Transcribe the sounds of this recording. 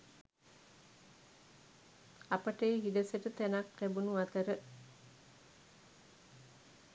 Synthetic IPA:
apəʈəeɦidəsəʈət̪ænak̚t̪æbunuat̪əɾə

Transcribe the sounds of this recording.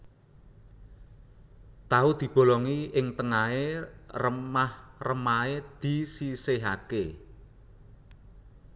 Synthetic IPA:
t̪aud̪̥i̤b̥o̤lɔŋiɪŋt̪əŋaerəmahrəmaed̪̥i̤siseɦake

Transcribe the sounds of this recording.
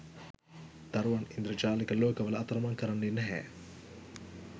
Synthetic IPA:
d̪̥aɾuʋanind̪ɾəd͡ʒaːlikəloːkəʋəlɐɐt̪ɐɾɐmaŋkəɾanːinɛɦɛ̰ː

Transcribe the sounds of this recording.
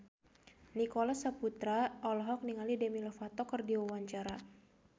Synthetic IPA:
nikɔlasaput̪ɾaɔlɔɦɔk̚niŋalidɛmilɔfat̪ɔkɨrdiwawaɲt͡ʃaɾa

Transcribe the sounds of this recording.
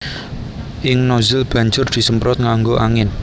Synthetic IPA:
ʔɪŋnɔzɪlb̥ä̤ɲd͡ʒʊrd̪̥i̤səmpɾɔt̪̚ŋaŋɡoʔaŋɪn

